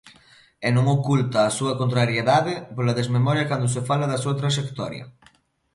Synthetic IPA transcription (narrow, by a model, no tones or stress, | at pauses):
ɛnõŋokult̪ɐːsuɐkont̪ɾaɾjeðaðɪpolaðezmemɔɾjɐkand̪os̬efalaðɐsuɐt̪ɾaʃekt̪ɔɾjɐ̰